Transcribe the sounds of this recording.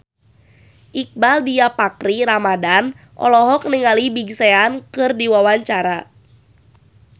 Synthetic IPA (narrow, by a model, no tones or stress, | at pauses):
ʔik̚baldiapakɾiɾamadan | ʔɔ̰lɔɦɔk̚niŋalibiɡseankɨrdiwawaɲt͡ʃaɾa